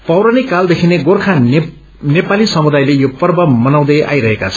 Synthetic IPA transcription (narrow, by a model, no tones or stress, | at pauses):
pʌwɾanikald̪ekʰineɡorkʰa | nepalisʌmud̪ajlejopʌrbʌmʌnaw̃d̪ʌjʔa̰jɾʌɦekat͡sʰʌ